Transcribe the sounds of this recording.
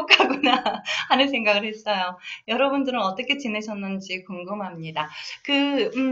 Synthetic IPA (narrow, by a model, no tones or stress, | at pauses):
okʰaɡunaːnɯns̬ʰe̞ŋɡaɡɯɭhe̞s͈ʌjojʌɾʌbundɯɾɯnʌt͈ʌkʰe̞t͡ɕine̞ɕʰʌnːɯnd͡ʑikoŋɡɯmɦamɲidakɯ